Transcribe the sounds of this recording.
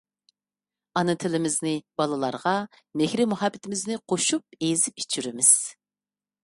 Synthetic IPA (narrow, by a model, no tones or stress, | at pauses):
ɑnɨt̪ʰɪlɪmɪznɪb̥ɑlˠɨlˠɑ̰ɾʁɑ | mɪhɾɪmuhɑbːɪt̪ʰɪmɪznɪqʰoʃup̚ezɪp̚i̥t͡ʃʰːyɾɪmɪz̥